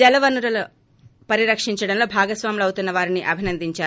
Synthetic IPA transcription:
ɛlɐʋɐnuɾɐlu | pɐɾiɾɐkʂiɲt͡ʃɐɽɐnlo̞ːbʱaːɡɐsʋaːmilɐwut̪unːɐʋaːɾiniʔɐbʱinɐnd̪iɲt͡ʃaː

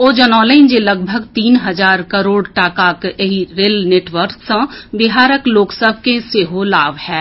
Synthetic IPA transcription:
oːd͡ʒɐnɔːleɪnd͡ʒelɐɡ̚bʱəɡt̪iːnɦɐzaːɾkɐɾoːɽʈaːkaːkeɦiɾeːlneːʈʋəɾksə̃bɪɦaːɾəkloːksəbʱkẽseːɦolaːʋhɛː

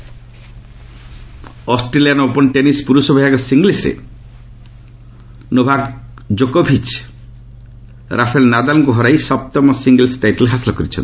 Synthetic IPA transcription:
ɔsʈɾelianopɔnʈenispuɾusɔbʱijaɡɔsiŋɡlisɾḛ | nobʱaɡ | d͡ʒokobʱit͡ʃ | ɾʔapʰelnad̪alŋkuɦɔɾajsɔp̚t̪ɔmɔsiŋɡlsʈajʈɔlɦasilɔkɔɾit͡ʃʰɔ̰nt̪i

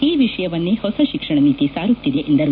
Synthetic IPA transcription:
iːʋiʂɐjɐʋɐnːehɔsɐʃikʂɐɳɐniːt̪isaːɾut̪ːid̪eʔend̪ɐɾ

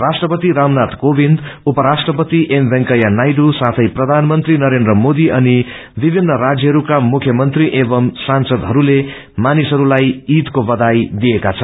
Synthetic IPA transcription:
rasʈrʌpʌt̪iɾamnat̪kobʱind̪upʌɾasʈrʌpʌt̪iʔembʱeŋkʌjanajɖusat̪ʰʌjprʌd̪ʱanmʌnt̪rinʌɾend̪rʌmod̪iʔʌni | bibʱinːʌɾad͡zjʌɦʌɾukamukʰjʌmʌnt̪riʔebʌmsansʌd̪ɦʌɾule | manisʌɾulajit̪kobʌd̪ajd̪ijekat͡sʰʌnn

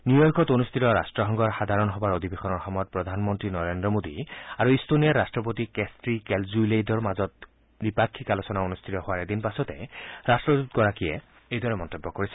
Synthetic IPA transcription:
njujɔɹkɔtonust̪ʰitɔɹastɹɔɦɔŋɡɔɹxad̪ʱaɹɔnɦɔbaɹodʱibexɔnɔɹxɔmɔjɔt̚pɹɔd̪ʱanmɔntɹinɔɹendɹɔmodiaɹuistonijaɹastɹɔpotikestɹikɛlzuilejdɔɹmazɔt̚ | bipakʰːikalosɔnaonust̪ʰitɔhowaɹed̪inpasɔtɛɹastɹɔdutɡɔɹakijɛ̰ | ejdɔɹɛmɔntebːɔkoɹisɛ̥

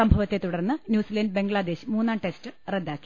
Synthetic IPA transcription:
ɐmbʱɐʋɐt̪ːe̞t̪uɽɐrnːɨnjuːsiːlɐnɖɨbe̞ŋɡɭad̪e̞ːɕmuːnːaːɳʈe̞stɨred̪ːaːkːi̥

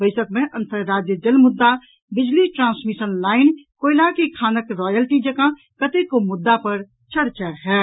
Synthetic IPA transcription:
bəɪsəkmẽʔə̃nt̪əɾɾaːd͡ʒjəd͡ʒəlmʊd̪ːa | bɪd͡ʒliʈɾãːnsmisənlaːɪnkoːɪlakikʰaːnəkɾɔːjəlʈid͡ʒəkã | kət̪ekomʊd̪ːapəɾ | t͡ʃʰəɾt͡ʃaɦɛː

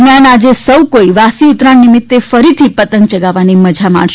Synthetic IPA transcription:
mjanad͡ʒesəwkoiʋasiʊt̪ɾanːimɪt̪ːefəɾit̪ʰipət̪əŋk̚t͡ʃəɡaʋaniməd͡ʒʱama̰ɳʃ

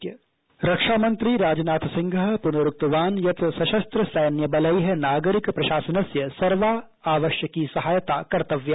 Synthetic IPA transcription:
ɾɐkʂaːmɐ̃nt̪ɾiɾaːd͡ʒnaːt̪sɪ̃ŋɡʱəɦpʊnɐɾuk̚t̪ɐʋaːnjɐt̪sɐʃɐst̪ɾɐsɐjnjɐbɐləjɦɛnaːɡəɾɪkpɾɐʃaːsɐnɐsjɐsɐɾʋa | aːʋəʃjəkisɐɦaːjt̪akɐɾt̪ɐʋja

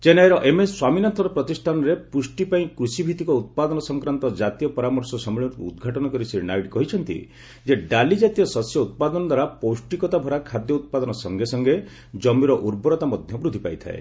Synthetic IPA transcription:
t͡ʃenajɾɔʔemeswaminɔnt̪ʰɔɾɔpɾɔt̪isʈʰanɔɾepusʈipaĩkɾusibʱit̪ikɔut̪̚pad̪ɔnɔsɔŋkɾant̪ɔd͡ʒat̪ijɔpɔɾamɔɾsɔsɔmiɭɔuṵd̪ɡʱaʈɔnɔkɔɾisiɾnajʈkɔɦit͡ʃʰɔnt̪ḭ | d͡ʒeɖalid͡ʒat̪ijɔsɔsjɔut̪̚pad̪ɔnɔd̪waɾapowsʈikɔt̪abʱɔɾakʰad̪jɔut̪̚pad̪ɔnɔsɔŋɡesɔŋɡe | d͡ʒɔmiɾɔʔuɾbɔɾɔt̪amɔd̪ʱjɔbɾud̪ʱipa̰jt̪ʰa̰ḛ

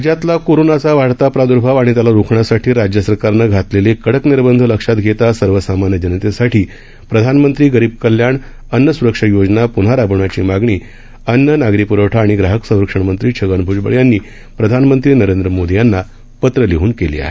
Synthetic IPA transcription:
ad͡ʑjat̪lakoɾonat͡saʋaɽt̪apɾad̪uɾbʱaʋaɽ̃it̪jalaɾukʰɳasaʈʰiːɾad͡ʑjəsəɾkaɾnaɡʱat̪lelekəɽəkniɾbənd̪ʱələkʂat̪ɡʱet̪asəɾʋəsamanjəd͡ʑənət̪esaʈʰiː | pɾəd̪ʱanmənt̪ɾiːɡəɾiːb̚kəljaɳ | ənːəsuɾəkʂəjod͡znapun̤aɾabɳat͡ɕiːmaɡɳiː | ənːənaɡɾipuɾəwʈʰaːɽ̃iɡɾaɦəksə̃w̃ɾəkʂəɳmənt̪ɾiːt͡ɕʰəɡəɳbʱud͡zbə̰ɭjanːiː | pɾəd̪ʱanmənt̪ɾiːnəɾend̪ɾəmod̪ijanːa | pət̪ɾəliɦuːnkelḭːa̰ɦe

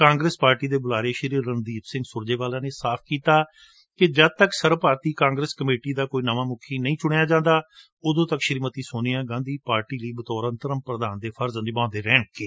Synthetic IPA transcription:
kãːŋɡɾeːspaːɾʈiːd̪eːbʊlaːɾeːʃəɾiːɾːənd̪iːp̪sɪ̃ŋɡsʊɾd͡ʒeːʋaːlãːneːsaːpʰkiːt̪aː | kɪd͡ʒəd̪̚t̪əksəɾpaːɾt̪iːkãːŋɡɾeːskəmeːʈiːd̪aːkoːiːnəʋãːmʊkʰiːnəĩːt͡ʃʊɽ̃ejaːd͡ʒãːnd̪aː | ʊd̪õːt̪əkʃəɾmət̪iːsʊniãːɡãːnd̪iːpaːɾʈiːləiːbət̪ɔːɾənt̪əɾəmpɾəd̪aːnd̪eːpʰəɾznɪbãːnd̪eːɾɛːɳkeː

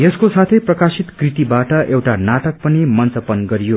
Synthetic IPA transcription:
jeskosat̪ʰʌjprʌkasit̪krit̪ibaʈʌʔewʈanaʈʌk̚pʌnimʌnt͡sʌpʌnɡʌɾijo

